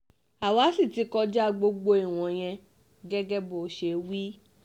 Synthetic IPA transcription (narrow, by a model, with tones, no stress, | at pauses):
a˨wa˨˦si˦˨ti˨˧kɔ˧d͡ʒa˦ɡ͡bo˧ɡ͡bo˧i˨w̃ɔ̃˨j̃ɛ̃˧ | ɡɛ˦ɡɛ˦bo˨˦ʃe˧˨wi˦